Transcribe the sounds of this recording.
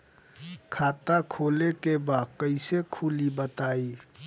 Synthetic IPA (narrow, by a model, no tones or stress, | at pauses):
kʰaːt̪akʰoːlekebaːd̪̚kəɪsekʰulibət̪aːi